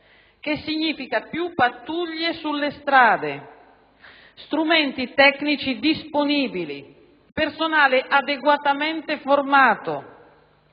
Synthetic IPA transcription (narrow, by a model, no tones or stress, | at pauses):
k̟esːiɲːiːfikapjupːat̪ːuʎːesulːest̪ɾaːd̪e | st̪ɾumɛnt̪it̪ɛknit͡ʃid̪isponiːbilḭ | personaːleʔad̪eɡwat̪amɛnt̪eformaːt̪o̰